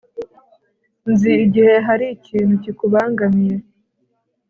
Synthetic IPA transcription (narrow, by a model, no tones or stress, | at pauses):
nziːɟihe̞ɦaɾiciːnucikuβaːŋɡamije